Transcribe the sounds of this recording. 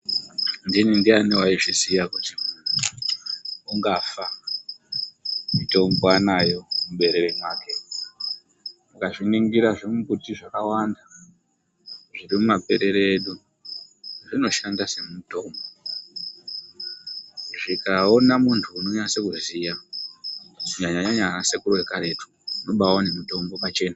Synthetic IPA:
ndinindianiwaiʐisijakutimunʰu | uŋɡafa | mito̞mbanajo̞mumɓe̞ɾeremwaːke̞ | mukaʐiniŋɡiɾaʐimukutiʐakawanda | ʐirimumape̞ɾe̞ɾeɗu | ʐino̞ʃandase̞muito̞mbo | ʐikao̞namuntʰuuno̞ɲase̞kuzija | ɲaɲaɲaɲaɲasekurowe̞kaɾe̞tʰu̥ | uno̞ɓawone̞mito̞mbo̞pat͡ʃe̞ːna

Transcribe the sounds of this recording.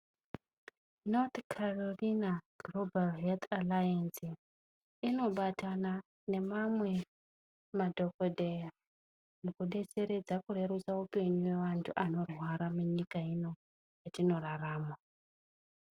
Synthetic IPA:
not̪kʰarolinaɡ̥lobalɦelt̪ʰalajansi | ino̞ɓatana | ne̞mamwe̞ | madʱo̞kodʱeja | nokuɗe̞t͡se̞ɾe̞d͡zakure̞ɾusaupe̞ɲuwe̞ʋantʰuʔano̞rwaɾamuɲikaino̞ | jatino̞raraːma

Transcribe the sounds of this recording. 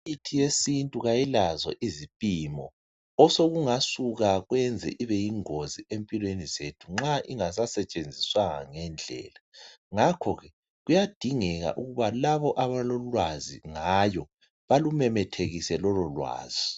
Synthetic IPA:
itʰijesintʼuɣajɛlazwa̰ʔizipʼiːmɔ | ɔsoɣuŋasuɣaɣwɛnd͡zʱɛ̰ʔiβɛjiŋoziempʼilwenizetʰuŋ͡ǁaʔiŋasasɛt͡ʃʼend͡zʱiswaŋa̰ŋɛnd͡ɮʱɛ̰ːlaŋakʰɔɣɛ | ɣujad̥ʱiŋɛɣa̰ʔuɣuβalaβɔʔaβalolwaziŋajɔ | βalumɛmɛtʰeɣisɛlɔlɔlwa̰ːz̥i

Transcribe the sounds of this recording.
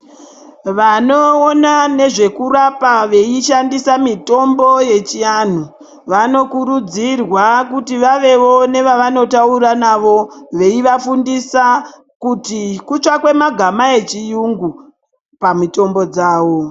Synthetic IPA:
ʋano̞ːnane̞ʐe̞kurapaʋe̞iʃandisamito̞mbo̞je̞t͡ʃian̤u | ʋano̞kuɾud͡zirwakutiʋaʋe̞ʋo̞ne̞ʋaʋano̞tauɾanaʋo̞ʋe̞iʋafundisa | kutikut͡ʂakwe̞maɡʱamae̞t͡ʃijuŋɡu | pamito̞mbo̞d͡zaːʋo̞

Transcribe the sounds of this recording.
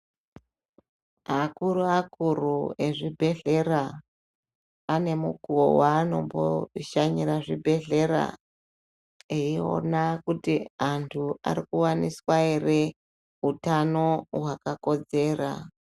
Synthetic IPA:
ɦakuɾuakurue̞ʐibʱe̞ɮe̞ɾa | ane̞mukuowaːno̞mbo̰ʃaɲiɾaʐibʱe̞ɮe̞ra̰ | eio̞̰nakutiantʰua̰ɾikuwaniswaere̞ | utano̞wakako̞d͡ze̞ːra̰

